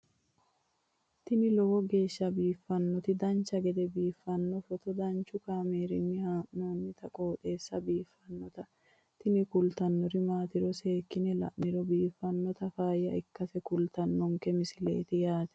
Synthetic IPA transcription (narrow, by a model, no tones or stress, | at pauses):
t̪ɪnɪlɔwɔɡe̞ːʃːɐbiːfːɐnːɔt̪ɪd̪ɐnt͡ʃːɐɡɛd̪ɛbiːfːɐnːɔfɔt̪ɔd̪ɐnt͡ʃːʊkaːmeːɾɪnːɪhaːʔnoːnːɪt̪ɐkʼoːt̪ʼeːsːɐbiːfːɐnːɔt̪ɐ | t̪ɪnɪkʊlt̪ɐnːɔɾɪmaːt̪ɪɾɔse̞ːkːɪnɛlɐ̰ʔnɪɾɔbiːfːɐnːɔt̪ɐfaːjɐɪkːɐfɛkʊlt̪ɐnːɔŋkɛmɪsɪlḛːt̪ɪjaːt̪ɛ̥